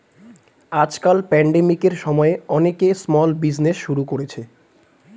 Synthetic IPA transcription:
ad͡ʑkalpɛɳɖemikeɾʃɔmɔeɔnekesmɔlbid͡ʑneʃʃuɾukoɾet͡ɕʰe

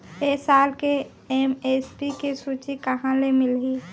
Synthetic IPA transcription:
eːsaːlke | emespikesuːt͡ʃikəɦãlemɪlɦiː

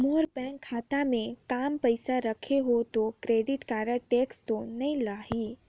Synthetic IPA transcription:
moːɾpɛ̃kʰːaːt̪amẽkaːmpəjsaɾəkʰeɦot̪okɾeːɖɪʈkaːɾəʈeːkst̪onəĩlaːɦiː

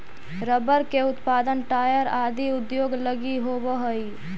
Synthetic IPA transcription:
ɾəbəɾkeʊt̪paːd̪ənʈaːjəɾaːd̪ʱiʊd̪joːɡləɡiɦobəɦəi

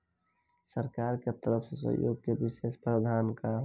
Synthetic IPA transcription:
səɾkaːɾket̪əɾəfsesə̰ɦjo̰ːɡ̚kebɪʃeːspɾəd̪ʱaːnkaɦ

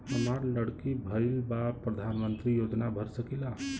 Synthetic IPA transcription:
həmaɾləɽkibʱəjlbapɾəd̪ʱanmənt̪ɾijod͡ʒnabʱəɾsəkila

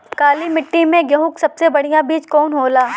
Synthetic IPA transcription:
kaːlimɪʈːimẽɡjɐɦʊ̃ksɐbsebɐɽ̤ijabiːt͡ʃkɔːnɦoːlaː

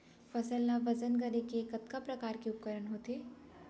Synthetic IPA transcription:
fɐsəlnaʋɐd͡ʒənɡɐɾekeːkɐt̪kapɾɐkaːɾkiʊp̚kəɾəɳɦoːt̪eː

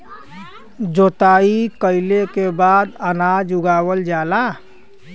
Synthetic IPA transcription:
d͡ʒot̪aikəɪlekebad̪ənad͡ʒuɡabəld͡ʒala

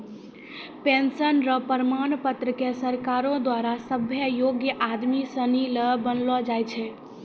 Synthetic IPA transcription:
pensənɾəpəɾəmanpət̪ɾəkesəɾkaɾõd̪waɾasəbʱjəjoɡjəʔad̪misəniləbənlɔd͡ʒajt͡ʃʰɛ

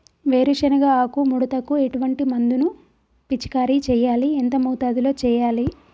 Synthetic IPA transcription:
ʋeːɾuʃɐnɐɡaːaːkumuɽut̪ɐkːueʈuʋɐɳʈimɐnd̪unu | pit͡ʃːi̥kaːɾit͡ʃɛːjaːlient̪ɐmɐwt̪aːd̪ilo̞ːt͡ʃɛːjaːli

